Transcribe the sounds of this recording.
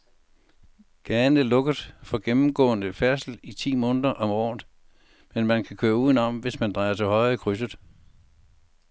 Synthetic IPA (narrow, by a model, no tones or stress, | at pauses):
ɡ̥æːnəlɔ̽ɡ̥əð̩ˠfɒ̽ɡ̥emm̩ɡ̥ɔ̰̽ːnəfæɐsl̩it͡sʰḭːmɔ̽ːndˠɐʔɒ̽mɒ̰ːnd | menmænkʰækʰøːɐuːðˠn̩ɒ̽mʋe̝smænd̥ʁɑ̈ɪɐt͡sʰe̝lɦɒ̽ɪ̰ðˠəkʰʁys̬əð̩ˠ